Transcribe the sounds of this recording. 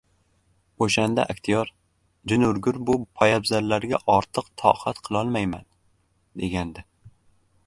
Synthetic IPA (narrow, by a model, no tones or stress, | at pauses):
oʃand̪a̰ʔak̚ʲt̪ʰijɒɾ | d͡ʒɪnʊɾɡʲʊɾbʊpʰajabzaɾlaɾɡʲaʔɒɾt̪ʰɨqt̪ʰɒ̰hat̪qʰɨlˠɒlˠmajman | d̪e̞ɡʲand̪ɪ